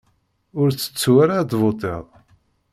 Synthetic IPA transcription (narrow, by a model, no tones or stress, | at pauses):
ʊɾt͡sːə̥t͡sːwaɾad̪vot̪ˤḛðˤ